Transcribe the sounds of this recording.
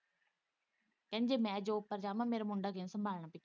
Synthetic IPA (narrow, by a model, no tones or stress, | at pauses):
kɐ̃ɦɪɲd͡ʑeːmɛ̃ːd͡ʑoːpɐɾd͡ʑaːmãmeːɾamʊ̃ɳɖakeːsɐmbʱaːɭɽ̃apɪ